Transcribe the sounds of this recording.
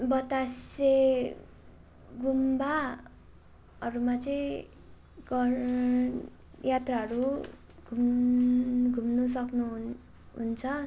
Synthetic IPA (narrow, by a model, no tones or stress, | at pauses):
bʌt̪ase | ɡumba | ʌɾumat͡sʌĩ | ɡʌ | jat̪raɦʌɾu | ɡʱum | ɡʱumnus̬ʌknu | ɦṵnt͡sʰʌ